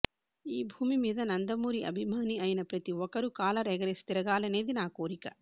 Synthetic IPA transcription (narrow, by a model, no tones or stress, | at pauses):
iːbʱuːmimiːd̪ɐnɐnd̪ɐmuːɾiɐ̰bʱimaːniɐjnɐpɾɐt̪iɔkɐɾukaːlɐɾɛɡɐɾest̪iɾɐɡaːlɐne̞ːd̪inaːko̞ːɾikɐ